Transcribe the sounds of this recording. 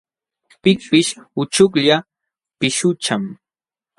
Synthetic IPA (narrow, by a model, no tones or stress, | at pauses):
pɪk̚pɪʃʊt͡ʃʊkʎa | pɪʃʊt͡ʃam